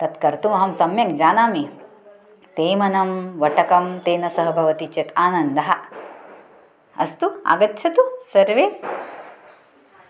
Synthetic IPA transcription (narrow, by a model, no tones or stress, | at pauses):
t̪ɐt̪kɐɾt̪umɐɦɐmsɐmjɐkd͡ʒaːnaːmi | t̪eːmɐnɐmʋɐʈɐkɐmt̪eːnɐsɐɦɐbʱɐʋɐt̪it͡ʃet̪aːnɐnd̪ɐɦɐ | ɐ̰st̪ua̰ɡɐtːʃʰɐt̪usɐɾʋeː